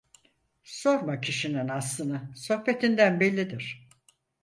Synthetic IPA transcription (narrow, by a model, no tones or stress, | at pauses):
so̞ɾmacʰiʃininaslˠɯnd̪aso̞hpʰe̞t̪ʰind̪ænbɛlʲːid̪iɾ̥